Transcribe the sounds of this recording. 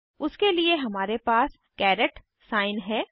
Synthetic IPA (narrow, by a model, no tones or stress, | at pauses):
ʊskelieɦɐmaːɾepaːs | kɛːɾəʈ | saːɪnɦɛː